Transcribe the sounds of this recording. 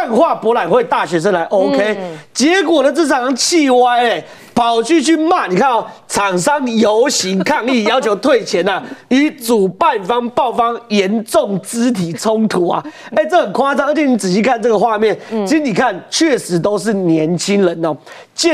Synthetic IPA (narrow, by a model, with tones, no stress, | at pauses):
nxwa˥˨˩pwɔ˧˥la˨˩˦nxwe˥˧ɪt̪a˥˨ɕɥɛ˧˥ʂ̬ə˧˦nla˧˦ɪʔo˦ʊkʰe˦ɪt͡ɕjɛ˨˧˦kwɔ˨˩də˦t͡sɤ˥˨˩t͡sʰɑ˨˧˦ŋt͡ɕʰi˥˧wa˥˩ɪe˨˩ | pʰɑ˨˩ʊt͡ɕʰy˥˧t͡ɕʰy˥˧ma˥˨ni˨˩kʰa˥˧nɔ˨˩t͡sʰɑ˨˩ŋʂɑ˦ŋjo˧˦ʊɕi˨˥ŋkʰa˥˧ŋi˥˩jɑ˥ʊt͡ɕʰjo˧˥ʊt̪ʰwe˥˨ɪt͡ɕʰjɛ˨˧˥na˨i˧˥˦t͡su˨˩pa˥˨nfɑ˦ŋpɑ˥˩ʊfɑ˦ŋjɛ˨˦nʈ͡ʂo˥˨˩ŋt͡sɹ̩˦˥t̪ʰi˨˩t͡sʰo˦ŋt̪ʰu˨˥ɐ̰˨ | e˥˦ɪt͡sɤ˥˩xə˨˩nkʰwa˥a˥˩ŋʔə˧˥t͡ɕʰjɛ˧˦ni˨˥t͡sɹ̩˨˩ɕi˧˥kʰa˥˧nt͡sɤ˥˩ɡə˩xwa˥˧mjɛ˥˨nt͡ɕʰi˧˥s̩˥ni˨˩kʰa˥˨nt͡ɕʰɥɛ˥˩ʂɻ̩˧˥t̪o˥ʊʂ̬ɻ̩˥˩njɛ˨˧˥nt͡ɕʰi˦ŋɻə˨˦nɔ˨ | t͡ɕɛ˥˨